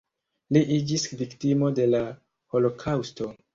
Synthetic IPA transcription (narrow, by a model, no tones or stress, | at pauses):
liʔid͡ʒisviktimo̞de̞la | ho̞lo̞kʰawsto̞